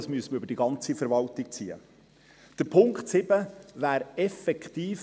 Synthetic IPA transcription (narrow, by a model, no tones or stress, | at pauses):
ɑsmyəsəməɾʏbəɾd̥iɡɑnt͡sifəɾʋɑltik̚t͡siːə̰ | d̥əɾpʰʊŋkχtsɪbəʋæːɾɛfɛkt̪iːf